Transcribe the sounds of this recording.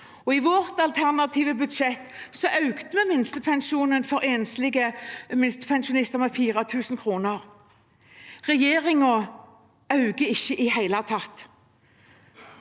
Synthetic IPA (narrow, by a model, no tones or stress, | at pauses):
ɔiʋoʁt̪ɑlt̪ʰæʁnɑt̪ʰiːʋəbʉd̪ʃɛt̪sɔʔɑʉɡ̥t̪əmɛmɪnst̪əpʰɛnʃuːnənfɔʁeːnslɪɡəmɪnst̪ə̥pʰɛnʃʊnɪst̪əʁmɛːfiːʁɑt̪ʰʉːsnkʰʁuːnəʁ | ʁɛjeːʁɪŋɔ | ɑʉɡəɪçːəʔɪhæɪlɑt̪ʰɑt̪